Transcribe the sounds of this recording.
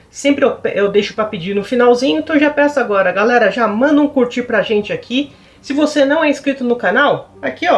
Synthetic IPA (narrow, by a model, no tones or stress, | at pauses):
sẽmpɾɪewpʔewd̪ejʃʊ̥pɾɐpid͡ʒiɾnʊfinawzĩɲʊɪ̃t̪ɐ̃w̃ʒapɛsʊaɡɔɾɐɡalɛɾɐʒamɐ̃nd̪ʊũkuɾt͡ʃiɾpɾɐʒẽnt͡ʃɪakʰi | sɪvosenɐ̃w̃ɛiskɾit̪ʊnʊkanawakiɔ